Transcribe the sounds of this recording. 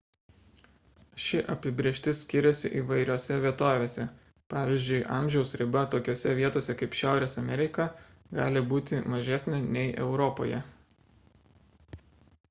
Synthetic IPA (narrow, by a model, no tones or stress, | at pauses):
ʃʲɪʔɐpʲɪbʲɾʲeːʃʲt̪ʲɪsʲkʲɪɾʲɛsʲɪ̰ʔiːʋɐɪɾʲoːsʲɛʋʲiɛt̪oːʋʲeːsʲɛ | pɑːʋʲiɪzʲd͡ʒʲʊɪʔɑ̰ːˑmʲʒʲɛʊsɾʲɪbɐt̪oːkʲoːsʲɛʋʲiɛt̪oːsʲɛkɐɪpʃʲæˑʊɾʲeːsɐmʲɛɾʲɪkɐ | ɡɑːlʲɪbuːt̪ʲɪmɐʒʲæsʲnʲɛnʲɛɪʔɛ̰ʊɾɔpo̰ːjɛ